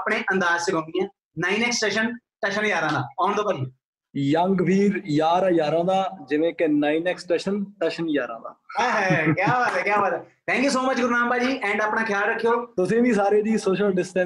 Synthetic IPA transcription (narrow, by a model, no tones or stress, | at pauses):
pɽeːʔə̃nd̪aːzsɪkõːnd̪iɛ̃ː | naːiːnɛːksʈeːʃənʈəʃənjaːɾãːd̪aːɔːɳd̪oːpəɾĩ | jəŋɡʋiːɾjaːɾajaːɾãːd̪aːd͡ʒɪʋẽːkenaːiːnɛːksʈeːʃənʈəːʃənjaːɾã̰ːd̪a̰ːɦɛkjaːbat̪ɛːkjaːbat̪ɛːt̪ʰɛ̃ːŋkjuːsoːmət͡ʃɡʊɾnãːmpaːd͡ʒiːɛ̃ːɳɖaːpnaːkʰɪjaːlɾəkʰːijoːt̪ʊsĩːʋiːsaːɾeːd̪iːsoːʃəlɖɪsʈɛ̃